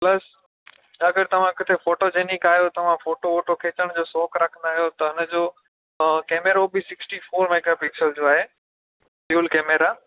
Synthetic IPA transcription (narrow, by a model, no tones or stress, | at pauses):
plɐs | ɐɡəɾt̪ɐʋ̤ãkɪt̪ʰefoːʈod͡ʑeːnikaːjot̪ɐʋ̤ãfoːʈooːʈokʰeːt͡ɕəɽ̃d͡ʑoːsɔːkɾɐkʰə̃nd̪aːɦijot̪ɐʊnə̆d͡ʑoː | keːmeɾobɪsɪksʈifoːɾmeːɡapɪksəld͡ʑoːaːɦeː | fjuːlkeːmeɾaː